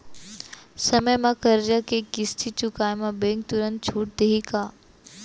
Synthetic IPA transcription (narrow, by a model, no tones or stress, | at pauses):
sɐməjmãkəɾd͡ʒakekɪst̪ʰit͡ʃʊkaːemãbẽŋk̚t̪ʊɾənt̪̚t͡ʃʰuːʈ̚d̪eɦikaː